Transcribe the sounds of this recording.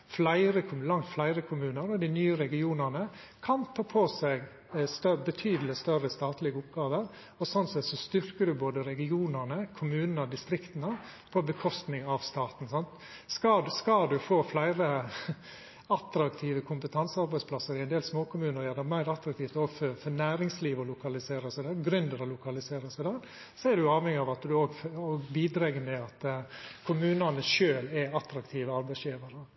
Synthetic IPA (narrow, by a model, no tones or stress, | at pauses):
flæɪɾəkʰʊmlɑŋt̪flæɪɾəkʰʊmʉːnəɾɔd̪ɪnyːəɾɛɡɪuːnənə | kʰɑnt̪ʰɑːpʰosɛɪɡ | st̪œbət̪ʰyːd̪əlɪst̪œrəst̪ɑːt̪lɪɡəʊpɡɑːʋəɾ | ɔsɔnsɛt̪sɔst̪ʏɾkəɖ̪ʉboːd̪əɾɛɡɪuːnəɾnəkʰʊmʉːnənəd̪ɪst̪ɾɪkt̪ənə | pʰɔbəkʰɔst̪nɪŋɑʋst̪ɑːt̪n̩sɑnt̪ | skɑskɑld̪ʉfoːflæɪɾə | ɑt̪ɾɑkt̪ʰiːʋəkʰʊmpət̪ʰɑnsəɑɾbæɪspʰlɑsəɾɪæɪnd̪eːlsmoːkʰʊmʉːnəɾjæːd̪əmæɪɾɑt̪ɾɑkt̪iːft̪oːɡføɾfɔnæːɾɪŋsliːʋɔlʊkɑlɪseːɾəsæɪd̪æɾɡɾʉnd̪əɾɔlʊkʰɑlɪseːɾəsæɪd̪æɾ | sɔɛd̪ʉjʊɑːʋɛŋɪɑʋɑt̪d̪ʉoːɡfoɡbiːd̪ɾɛɡəmɛɑt̪kʰʊmʉːnɑnəʃøːlɛɑt̪ɾɑkt̪ʰiːʋəɑɾbæɪsjiːʋɑɾə